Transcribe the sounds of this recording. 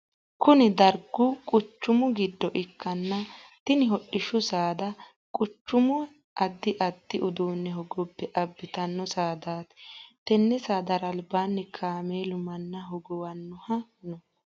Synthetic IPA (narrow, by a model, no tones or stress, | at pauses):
kʊnɪd̪ɐɾɡʊkʼʊt͡ʃːʊmʊɡɪd̪ːɔʔɪkʰːɐnːɐt̪ɪnɪɦɔɗːɪʃʊsaːd̪ɐ | kʼʊt͡ʃːʊmʊ | ʔɐd̪ːɪʔɐd̪ːɪʔʊd̪uːnːɛɦɔɡɔbːɛʔɐbːɪt̪ɐnːɔsaːd̪aːt̪t̪ɛnːɛsaːd̪ɐɾɐlbaːnːɛkʰaːmeːlʊmɐnːɐɦɔɡɔwɐnːʊhɐnɔ